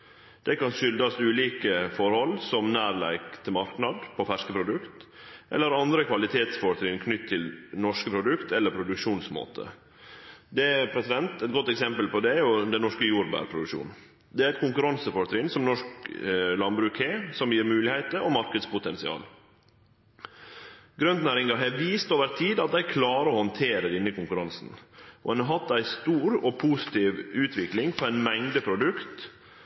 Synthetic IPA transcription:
d̪̥ɛkɑnʃʏld̪ɑsʉːliːkəfɔɾhɔlːsɔmnæːɾlæ̰ɪkt̪ʰɪmɑɾknɑd̪pʰɔfæʂkəpʰɾʊd̪ʉkt̪ʔɛ̰lːəɾɑnd̪ɾəkʰʋɑlɪt̪ʰeːt̪sfɔɾt̪ʰɾɪnkʰnʏt̪ʰːɪlnɔʂkəpʰɾʊd̪ʉkt̪ʰɛlːəɾpʰɾʊd̪ʉkʂuːnsmo̰ːt̪ʰə̰ | d̪ɛæɾpʰɾɛsɪd̪ɛnt̪ɛɪt̪̚ɡɔt̪ːɛksɛmpəlpɔd̪ɛjʊd̪ɛnnɔʂkəjuːɾbæ̰ːɾpʰɾʊd̪ʉkʂṵːn | d̪ɛæɾɛt̪̚kʊŋkʉɾɑnsəfɔɾt̪ʰɾɪnsɔmnɔʂklɑnbɾʉːkheːsɔmjiːɾmʉːlɪhɛɪt̪əɔmɑɾkəd̪spʊt̪ʰɛnsɪɑ̰ːl | ɡɾœnd̪næːɾɪŋɑɦeʋiːst̪oːʋəɾt̪ʰiːd̪ɑt̪̚d̪æɪkʰlɑːɾəɔːhɔnt̪ʰeːɾədɪnːəkʊŋkʉɾɑnsnʔɔɛnɑɦɑt̪ːæɪst̪uːɾɔpʰuːsɪ̥t̪iːʋʉːt̪ʰʋɪklɪŋfɔɾæɪnmɛŋd̪əpʰɾʊd̪ʉkt̪

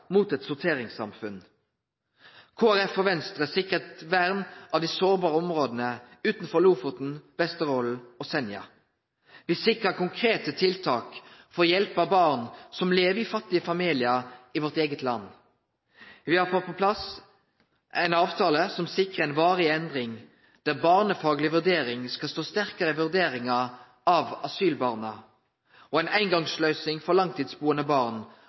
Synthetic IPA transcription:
muːt̪ɛt̪sʊʁt̪ʰeːʁɪŋsɑ̰mfʉn | kʰoːæʁɛfɔʋɛnst̪ʁəsɪkʁət̪ʋæʁnɑːʋd̪isoːʁbɑːʁəɔmʁoːd̪ənəʉːt̪n̩fɔʁluːfʊt̪n̩b̥ɛst̪əʁoːl̩osɛnjɑ̰ | ʋɪsɪkʁəkʊŋkʰʁeːt̪ət̪ʰɪlt̪ʰɑ̰ːkfɔʁjɛlpɑbɑʁnsɔmleːʋiːfɑt̪ːɪəfɑmiːlɪəiʋɔʁt̪eːɡət̪lɑ̰nː | ʋɪhɑːpʰɔpʰɔpʰlɑs | ʔæɪnɑːʋt̪ʰɑːləsɔmsɪkʁəɛɪnʋɑːʁɪɛnd̪ʁɪŋ | d̪̥æʁbɑːʁnəfɑːɡlɪʋʉʁd̪eːɾɪŋskɑst̪oːst̪æʁkəʁəɪʋʉʁd̪eːʁɪŋɑ | ɑʋɑsyːlbɑːʁnə | ɔæɪnʔæɪnɡɑŋslœʏsɪŋfɔʁlɑŋt̪ʰiːd̪sbuːənəbɑːʁn

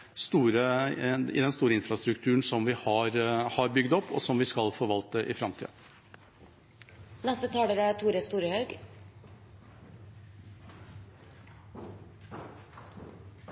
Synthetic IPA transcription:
st̪uːɾəɪ̰d̪ɛnst̪uːɾəɪnfɾɑst̪ɾʉkt̪ʰʉːɳsɔmʋɪhɑɾhɑɾbʏɡd̪ɔpːɔ̰sɔmʋɪskɑlfoːʋɑlt̪əʔɪfɾɑmt̪ʰḭːə | nɛst̪ət̪ʰɑːd̪əɾət̪ʰuːɾəst̪uːɾəhɑʉɡ

